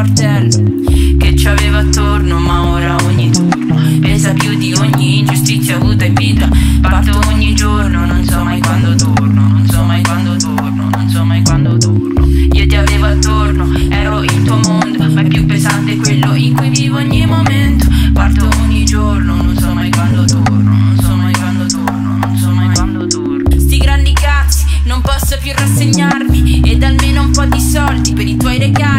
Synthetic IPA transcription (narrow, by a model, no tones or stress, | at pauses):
rt̪ɛlːo | ket͡ʃːaveːvoat̪ːornomaoːɾaoɲːit̪orno | pɛnsapjud̪ioɲːind͡ʒust̪it̪sjavuːt̪aeiɱviːt̪ɾapart̪ooɲːid͡ʒornononsɔmajkwand̪ot̪ornononsɔmːajkwand̪ot̪orno̰nonsɔmːajkwand̪ot̪ornoiːot̪iaveːvoat̪ːorno | ɛːɾoilt̪uomond̪operkjupːezant̪ekːwelːoiŋkujvivoɲːimoment̪opart̪ooɲːid͡ʒornononsɔmajkwand̪ot̪ornononsɔmajkwand̪ot̪ornononsɔmajwand̪ot̪oɾst̪iɡɾand̪iɡat̪sːi̥nompɔsːapjurːasːeɲːarmied̪almeːnoumpɔd̪isɔld̪ipeɾit̪wɔjɾeɡa